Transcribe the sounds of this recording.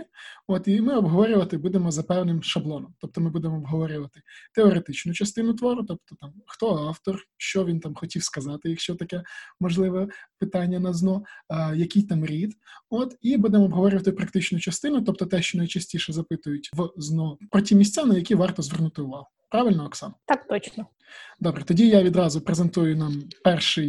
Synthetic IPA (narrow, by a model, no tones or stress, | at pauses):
ɔt̪imɪɔbɦɔʋɔɾʲʊʋɐt̪ɪbud̪emɔzɐpɛwnɪmʃɐblˠɔnɔmt̪ɔp̚t̪ɔmɪbud̪emɔːbɦɔʋɔɾʲʊʋɐt̪ɪt̪eɔɾet̪ɪt͡ʃnʊt͡ʃɐst̪ɪnʊt̪ʋɔɾʊt̪ɔp̚t̪ɔt̪ɑmxt̪ɔɑwt̪ɔrʃt͡ʃɔʋʲint̪ɑmxɔtʲiwskɐzɑt̪ɪjɐkʃt͡ʃɔt̪ɐkɛmɔʒlˠɪʋɛpɪt̪ɑnʲːɐnɐznɔjɐkʲijt̪ɑmɾʲid̪ɔt̪ibud̪emɔbɦɔʋɔɾʲɪʋɐt̪ɪpɾɐkt̪ɪt͡ʃnʊt͡ʃɐst̪ɪnʊt̪ɔp̚t̪ɔt̪ɛʃt͡ʃɔnɐjt͡ʃɐsʲtʲiʃɛzɐpɪt̪ʊjʊtʲʋznɔpɾɔtʲimʲisʲt͡sʲanɐjɐkʲiʋɑrt̪ɔzʋɛrnʊt̪ɪʊʋɑɦʊ | pɾɑʋɪlʲnɔɔksɑ̰nt̪ɑkt̪ɔt͡ʃnɔ | d̪ɔbɾɛt̪ɔdʲijaʋʲid̪ɾɑzʊpɾezent̪ujʊnɑmpɛrʃɪj